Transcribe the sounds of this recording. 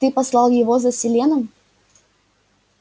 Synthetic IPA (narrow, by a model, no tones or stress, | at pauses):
t̪ɨpɐslˠɑlˠjɪvozəsʲɪlʲe̞nəm